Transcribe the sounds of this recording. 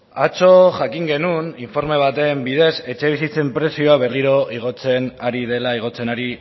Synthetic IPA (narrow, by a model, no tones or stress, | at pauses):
at͡so̞ʝakiŋɡe̞nuniɱfo̞ɾme̞β̞at̪e̞mbiðe̞se̞t͡ʃe̞β̞isit͡se̞mpɾe̞sio̞aβe̞riɾo̞ʔiɣ̞o̞t͡se̞naɾið̞e̞laiɣ̞o̞t͡se̞naɾi